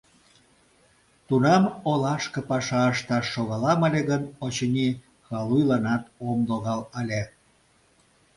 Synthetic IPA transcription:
t̪unɑmolɑʃkə̆pɑʃɑəʃt̪ɑʃːoɣɑlɑməlʲeɣənot͡ɕənʲi | xɑlujlɑnɑt̪omd̪oɣɑlɑlʲe

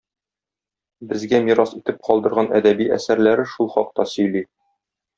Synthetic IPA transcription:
bɘ̆zɡæmiɾɑsit̪ɘp̚qɒlˠd̪ɤ̆ɾʁɑnæd̪æbiæ̰sæɾlæɾɘʃulˠχɒq̚t̪ɑsɵ̆jli

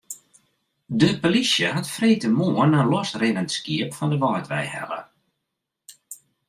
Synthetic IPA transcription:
dəpolisjəhatfreːtəmoənːalɔsrɪnəntskiəpfɔndəʋɔːtʋɛ̰jhɛ̰lə̰

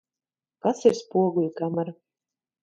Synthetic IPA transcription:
kasiɾspuɔɡulʲkamaɾ

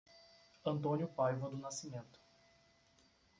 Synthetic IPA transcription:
ɐ̃nt̪õnjʊpajvɐd̪ʊnasimẽnt̪ʊ̥

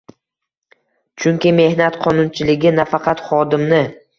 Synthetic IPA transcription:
t͡ʃʰʊŋkʲɪme̞hnat̪qʰɒnʊnt͡ʃʰɪlɪɡʲɪnafaqʰɑt̪χɒd̪ɪmnɪ

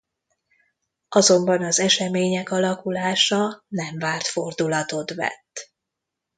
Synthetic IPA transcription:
ɒzo̞mbɒnɒzɛʃɛmeːɲɛkɒlɒkulaːʃɒnɛɱvaːrt̪fo̞rd̪ulɒt̪o̞t̪ʋɛ̰t̪ː

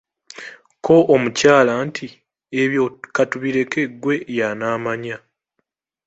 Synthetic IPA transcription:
kʰo̞ʔomucaːlantʰi | eβjokatuβiɾe̞ke̞ɡwe̞janaːmaɲa

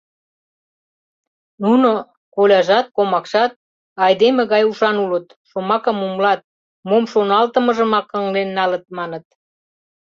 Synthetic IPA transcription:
nuno | kolʲɑʒɑt̪̚komɑkʃɑt̪̚ | ɑjd̪emeɣɑjuʃɑnulət̪ | ʃomɑkəmumlɑt̪̚ | momʃonɑlt̪əmə̆ʒə̆mɑkəŋlenːɑlət̪̚mɑnət̪̚

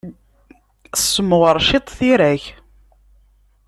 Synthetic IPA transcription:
sːəmʁəɾˤʃit̪ˤθiɾæç

